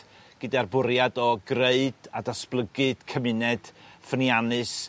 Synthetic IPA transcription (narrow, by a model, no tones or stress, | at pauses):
ɡ̥ɨdiarbʊɾjadɔɡreɨd̥adasplˠəɡɨd̥kʰəmɨnɛd̥fənjanɨs